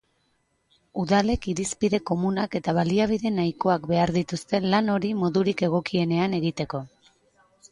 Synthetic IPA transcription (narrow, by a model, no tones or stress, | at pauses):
uðale̞kiɾispiðe̞ko̞munake̞t̪aβ̞aliaβ̞iðe̞najko̞akbe̞aɾðit̪ust̪e̞lano̞ɾimo̞ðuɾike̞ɣ̞o̞kie̞ne̞ane̞ɣit̪e̞ko̞